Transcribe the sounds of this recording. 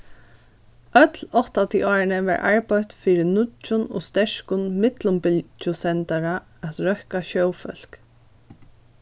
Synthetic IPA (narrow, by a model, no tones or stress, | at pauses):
œt̪lɔht̪at̪ʰiʔɔːɹɪnəʋɛ̰ɹʔa̰ɹpɔht̪fiːɾɪnʊt͡ʃːʊnɔ̰ːst̪ɛɹkʊnmɪt̪lʊmpɪlt͡ʃʊsɛnt̪aɾa | æt̪ɾœhkaʃœwfœ̰l̥k